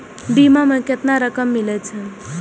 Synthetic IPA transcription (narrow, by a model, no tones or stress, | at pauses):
bimamẽket̪naɾəkəmːilɛt͡ʃʰə